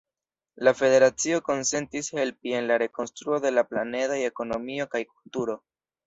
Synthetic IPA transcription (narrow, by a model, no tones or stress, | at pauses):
lafe̞de̞ɾat͡sio̞ko̞nse̞ntishe̞lpie̞nlaɾe̞ko̞nstɾuo̞de̞laplane̞dajeko̞no̞mio̞kajkultuɾo̞